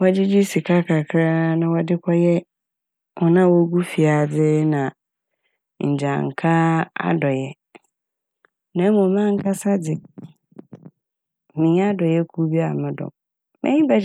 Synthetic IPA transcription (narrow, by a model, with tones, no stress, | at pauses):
wɔ˦d͡ʑɪ˦d͡ʑi˦si˨kʰa˦kʰa˨kʰɾa˦nã˨wɔ˨dɪ˦kʰɔ˦jɛ˦ | ʔɔ˨nã˦wɔ˦ɡu˦fi˨a˨d͡zɪ˦nã˨ | ɲ̩˨d͡ʑa̰˨ŋ̩˨kʰa˦a̰˦dɔ˨jɛ˦ | nã˨˦mʊ̃˨mã˦ŋ̩˦kʰa˦sa˦dɪ˨ | mĩ˨˦a˦dɔ˨jɛ˦kʰu˦bi˦a˨mɪ̃˦dɔ̰˨ | mɛ̰̃˦ɲĩ˦ba˦